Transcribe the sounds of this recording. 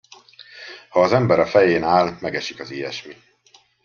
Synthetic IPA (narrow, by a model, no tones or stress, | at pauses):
hɒːzɛmbɛɾɒfɛjeːnaːlmɛɡɛʃikɒziːɛ̰ʃmi